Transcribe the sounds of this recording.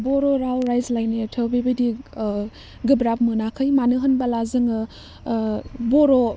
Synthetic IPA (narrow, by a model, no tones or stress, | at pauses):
boɾoɾawɾajzlajnetʰɯwbibɐdi | ɡɯbɾap̚mɯnakʰɯjmanɯɦɯnbɐlazɯŋɯ | boɾo